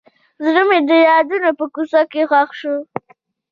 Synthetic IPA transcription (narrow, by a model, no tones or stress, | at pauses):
zɾəmed̪əjɑd̪unapəkusakːexwaxʃu